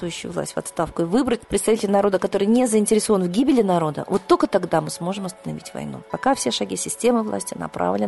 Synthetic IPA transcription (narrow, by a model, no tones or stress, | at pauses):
jʏɕːʊjʊ̰vlˠa̰sʲtʲvɐ̰t̪st̪afkʊɪvɨbɾətʲpɾʲɪt̪st̪ɐvʲitʲɪlʲnɐɾo̞d̪əkɐt̪o̞ɾɨjnʲezəɪnʲtʲɪɾʲɪso̞vənvɡʲibʲɪlʲɪnɐɾo̞d̪ə̰vo̞t̪ːolʲkət̪ɐɡd̪amɨsmo̞ʐɨmɐst̪ənɐvʲitʲvɐ̰jnṵpɐkafsʲeʂɐɡʲisʲɪsʲtʲe̞mɨvlˠa̰sʲtʲɪnɐ̰pɾa̰vlʲɪ